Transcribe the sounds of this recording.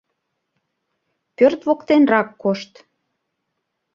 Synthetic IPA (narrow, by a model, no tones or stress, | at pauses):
pørt̪βokt̪enrɑkːoʃt̪